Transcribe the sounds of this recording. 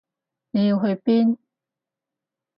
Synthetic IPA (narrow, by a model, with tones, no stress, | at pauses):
ne˨˧ji˧wɦɵ˧ɥpiː˥n